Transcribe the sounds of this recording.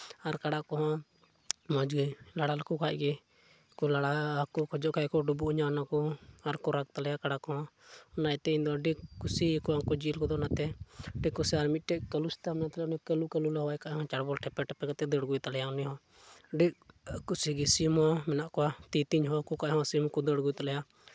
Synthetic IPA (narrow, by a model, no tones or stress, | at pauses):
aɾkaɽakɔɦɔ̃ | mɔd͡ʒɡilaɽalakukʰaʔɡɛ | kɔlaɽakukʰɔd͡ʒɔʔkʰajkɔɖubuʔɲanakɔaɾkɔɾak̚t̪alɛjakaɽakɔɦɔ̃ɔnajt̪ɛind̪ɔɖikkːusikɔakɔd͡ʒilkɔd̪ɔnat̪ɛɖikːusiaɾmit̪̚ˀʈɛʔ̚kəlusi̥t̪amɛnat̪ɛlɛunikəlukəlulaɦɔwajkaʔhɔ̃t͡ʃaɽbɔlʈʰɛpɛʈɛpɛkat̪ɛd̪əɽɡujt̪alɛjaɔniɦɔ̃ | ɖiʔkusiɡisimɦɔmɛnaʔkɔat̪it̪iɲɦɔkukaʔɦɔ̃simkud̪əɽɡujt̪alɛja